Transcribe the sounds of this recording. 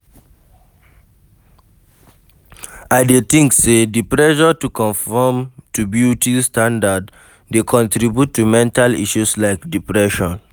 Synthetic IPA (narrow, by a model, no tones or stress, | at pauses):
aɪdet̪ĩŋksedipɹɛʃɔtukɔ̃nfɔmtubjutistãndadː | ekʰɔ̃ntɾibjutːumɛ̃ntalḭʃuslaɪkdipɹɛʃɔ̃n